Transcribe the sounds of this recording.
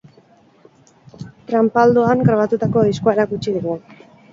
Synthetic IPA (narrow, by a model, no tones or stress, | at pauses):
t̪ɾampald̪oaŋɡɾaβ̞at̪ut̪ako̞ðiskoaeɾakut͡ʃið̞uɣu